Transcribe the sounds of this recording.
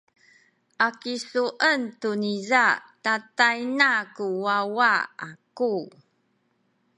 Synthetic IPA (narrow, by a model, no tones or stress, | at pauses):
ʔakisuʔəntunizatatajnakuwawaaku